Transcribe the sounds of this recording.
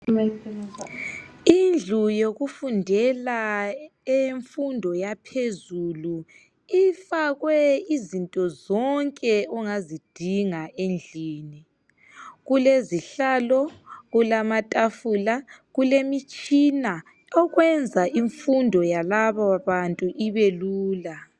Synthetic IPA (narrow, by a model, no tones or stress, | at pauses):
ind͡ɮʱujoɣufundʱɛla | eɱfundʱɔjapʰezulu | ifaɣwɛizintʼɔzɔŋkʼɛuŋazid̥ʱiŋaʔend͡ɮʱiːni | ɣuleziɬaːlɔɣulamatʼafuːlaɣulemit͡ʃʼina | ɔɣwɛnd͡zʱaʔiɱfundʱɔjalaβawaβantʼuʔiβeluːla